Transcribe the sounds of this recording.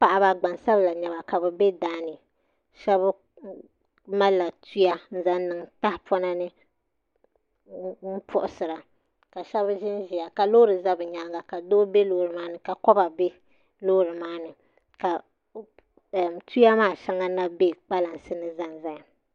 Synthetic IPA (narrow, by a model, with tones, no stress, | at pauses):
pa˨ʔa˦ba˨ɡ͡ba˨nsa˦bla˨ɲɛ˨ba˨ka˨bɛ˨bɛ˦daː˦nɨ˨ | ʃɛ˦b | ma˦la˨tʰu˦ja˦n̩˦za˦n˦nɨ˨ŋta˦hpɔ˦na˦nɨ˦ | n̩˦pʰʊ˦ʔʊ˨˦sɨ˨ɾa˨ | ka˨ʃɛ˦βʒɪ˦n˦ʒi˨ja˨ka˨lo˦ɾɨ˨za˦bɨ˨ɲa˨lɡa˨ka˨doː˦be˦loː˦ɾɨ˨maː˦nɨ˨ka˨kɔ˦ba˨bɛ˦ | lo˦ɾɨ˨maː˦nɨ˨ | ka˨ | tu˦ja˦maː˦˨ʃa˦ŋa˦na˦be˦k͡pa˦la˨n˨sɨ˦nɨ˦za˦n˨za˦a˨